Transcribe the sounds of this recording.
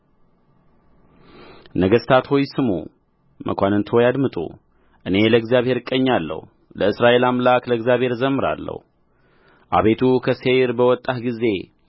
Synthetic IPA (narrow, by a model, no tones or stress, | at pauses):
nəɡəst̪ʰat̪hojsɨmṵ | mʔə̰kʷanɨnt̪ʰo̞jad̪mɨt̪ʼṵ | ʔɨne̞ləɡzjaβhe̞ɾkʼːəɲːalːə̰hu | ləɨsɾaʔe̞lamlakləɡzʲjaβhe̞ɾzəmːɨɾa̰lːə̰hu | ʔa̰βe̞t̪ʰukʰəseɾbəwɔt̪ʼːatɡize̞